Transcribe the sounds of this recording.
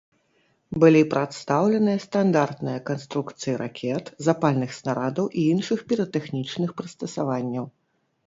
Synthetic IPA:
bɨlʲipɾat̪st̪awlʲɛnɨjɐst̪and̪art̪nɨjɐkanst̪ɾukt̪sɨjiɾʔa̰kʲʰɛt̪zapalʲnɨxsnaɾad̪ɐwʔiinʂɨxpʲiɾɐt̪ɛxnʲit͡ʂnɨxpɾɨst̪ɐsavanʲːɐw

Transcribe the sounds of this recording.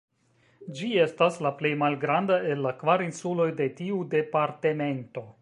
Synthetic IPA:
d͡ʒie̞staslaple̞jmalɡɾandaʔe̞lːakvaɾinsulo̞jde̞tiude̞paɾteme̞nto̞

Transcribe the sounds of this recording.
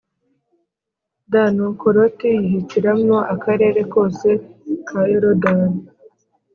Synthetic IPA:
danukoɾotijiɦiciɾamŋoʔakaɾe̞ːɾe̞ko̞ːse̞kʰajoɾodan

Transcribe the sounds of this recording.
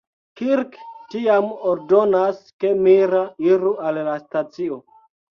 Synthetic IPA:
kiɾktiamoɾdo̞naskemiɾaiɾuallastat͡sio

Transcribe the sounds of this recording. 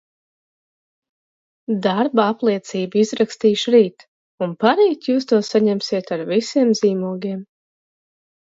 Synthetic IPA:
d̪aɾbaaplˠiɛt̪siːbizɾakst̪iːʃɾiːt̪ | unpaɾiːt̪juːst̪uɔsaɲɛmsiɛt̪aɾvisiɛmziːmuɔɡʲiɛm

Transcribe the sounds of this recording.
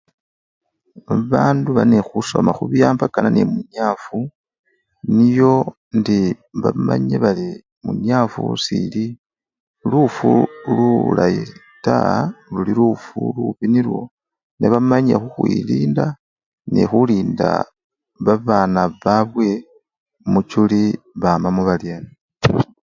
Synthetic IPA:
aβaːnduβanexuso̞maxuβjaːmbakananemuɲaːfu | nijo̞ | ndi | βama̰ɲeβali | muɲaːfṵsili | lufululai | ta̰lulilufṵluβinilwo̞ | neβamaɲe̞̰xuxwḭliːnda | nḛxuliːnda̰ | βaβaːnaβaβwe̞ | mut͡ʃuliβamamuβaljani

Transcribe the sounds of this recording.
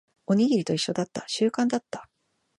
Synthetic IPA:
o̞ɲ̟iɡʲiɾʲit̪o̞iɕːo̞d̪at̪ːaɕɨːkãnd̪at̪ːḁ

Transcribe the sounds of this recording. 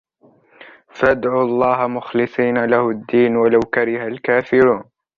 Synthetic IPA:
fʔad̪ʕuːɑlˤːɑːɦamʊxlɨsˤiːnalahʊd̪ːiːnwalawkaɾɪhalkaːfɪɾuːn

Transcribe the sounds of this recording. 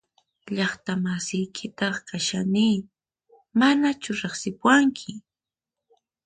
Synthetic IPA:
ʎɑχt̪amasɪjkʰɪt̪ɑχkaʃaniː | manat͡ʃʊɾeχsɪpwaŋkʰɪ

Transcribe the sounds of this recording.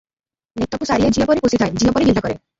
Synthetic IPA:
net̪ːɔkusaɾiad͡ʒiɔpɔɾikosit̪ʰajd͡ʒiɔpɔɾiɡild̪akɔɾe

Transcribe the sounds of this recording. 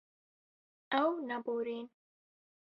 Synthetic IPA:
awnaboɾin

